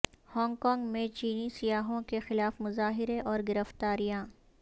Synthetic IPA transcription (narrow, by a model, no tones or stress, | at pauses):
hɔːŋɡkɔːŋɡmẽt͡ʃiːnisɪjaːɦõkexɪlaːfmʊzaːɦɪɾeʔɔːɾɡɪɾəft̪aːɾijãː